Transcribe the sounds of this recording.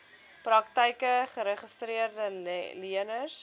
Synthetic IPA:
prɐktəjkəχəɾəχəstɾiərdəliənərs

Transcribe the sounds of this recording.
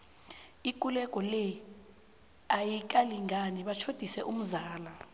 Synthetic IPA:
ik̬ʼulɛk̬ʼɔlɛ | ajik̬ʼaliŋʱaniɓat͡ʃʰod̥ʱisɛʔum̩zaːla

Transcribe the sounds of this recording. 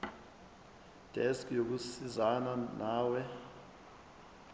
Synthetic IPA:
d̥ʱɛskjok̬usizananaːwɛ

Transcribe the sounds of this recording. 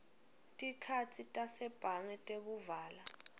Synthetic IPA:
tʼikʰatʰitʼasɛb̥ʱaŋɛtʼek̬uvaːla

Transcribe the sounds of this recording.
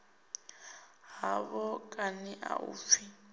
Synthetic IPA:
ɦaβɔkʼaniʔaṵːfi

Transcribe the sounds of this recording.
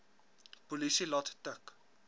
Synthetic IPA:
puliʃelɔt̪ʰt̪ak

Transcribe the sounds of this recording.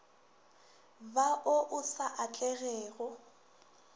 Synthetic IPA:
baʔʊʔʊsaʔat͡ɬʼɛɣɛːɣɔ

